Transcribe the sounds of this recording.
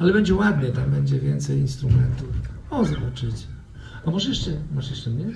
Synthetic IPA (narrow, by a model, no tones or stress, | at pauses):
alɛbɛɲd͡ʑɛwad̪ɲɛt̪ambɛɲd͡ʑɛvʲjɛnt̪sɛjinst̪ɾumɛnt̪uf | ɔzɔbat͡ʂɨt͡ɕɛ | amɔʐɛjɛʂt͡ʂɛmɔʐɛjɛʂt͡ʂɛmɲɛ